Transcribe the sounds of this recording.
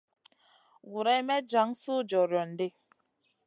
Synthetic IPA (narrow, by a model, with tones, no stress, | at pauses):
wu˨ɾɛ˦mɛ˦d͡ʒa˨˦ŋsu˦d͡ʒɔ˨ɾjɔ˨n̩˨de˦